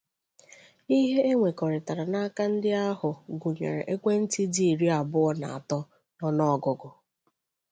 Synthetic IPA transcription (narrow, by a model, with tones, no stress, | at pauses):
i˦ɦe˦e˦ŋʷe˨kɔ˨ɾɪ˨ta˨ɾa˨na˦a˦ka˦n̩˦dɪ˦a˦ɦʊ˨ɡu˨ɲḛ˨ɾḛ˨ʔe˦kʷe˦n̩˦ti˦di˦˨i˨ɾi˦a˨bʊ˦ɔ˦na̰˨a̰˨tɔ˦ | nɔ˦nɔ˦ɔ˨ɡʊ˨ɡʊ˨